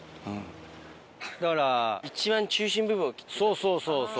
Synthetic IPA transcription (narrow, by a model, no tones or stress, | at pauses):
ɯ̟̃ɴ | d̪akaɾait͡ɕiβãɲ̟t͡ɕɨːɕĩmbɯ̟bɯ̟ɰ̃okʲi̥soːsoːsoːso